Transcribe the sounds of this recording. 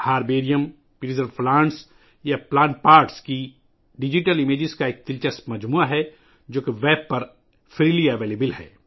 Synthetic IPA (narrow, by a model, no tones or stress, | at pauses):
haːɾbeːɾijəm | piɾizəɾplãːɳʈs | japlaːɳʈpaːɾʈski | ɖɪd͡ʒiʈəlɪmeːd͡ʒɪzkaeːk̚t̪ɪlt͡ʃəsmɐd͡ʒmuːaɦɛ | d͡ʒoːkeʋɛːb̚pɐɾ | fʰɾiːliɐʋeːleːbɪlɦɛ̰ː